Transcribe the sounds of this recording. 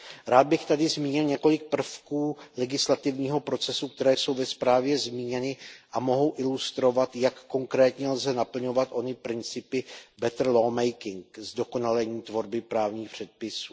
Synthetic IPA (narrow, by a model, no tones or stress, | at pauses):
ɾaːd̪̚bɪxt̪adɪzmiːɲɪlɲɛko̞lɪk̚pr̩fkuːlɛɡɪslat̪ɪvɲiːɦo̞pɾo̞t͡sɛsukt̪ɛɾɛːso̞wvɛspɾaːvjɛzmiːɲɛnɪʔamo̞ɦo̞wʔɪlust̪ɾo̞vat̪jakːo̞ŋkɾɛːt̪ɲɛlzɛnapl̩ɲo̞vat̪ʔo̞nɪpɾɪnt͡sɪpɪbɛt̪r̩lomɛjkɪŋkzdo̞ko̞nalɛɲiːt̪vo̞ɾbɪpɾaːvɲiːxpr̝̥ɛt̪̚pɪsuː